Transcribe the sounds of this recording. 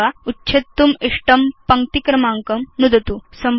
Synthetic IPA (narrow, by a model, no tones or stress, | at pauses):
autːɕʰet̪ːumiʂʈɐmpɐŋk̚t̪ikɾɐmaːŋkɐmnud̪ʱɐt̪usɐm